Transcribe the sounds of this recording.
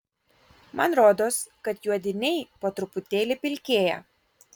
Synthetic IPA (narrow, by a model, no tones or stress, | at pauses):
mɐnɾoːd̪oːskɐt̪juɔd̪ʲɪnʲɛɪpoːt̪ɾʊpʊt̪ʲeːlʲɪpʲɪlʲkʲeːjɛ̰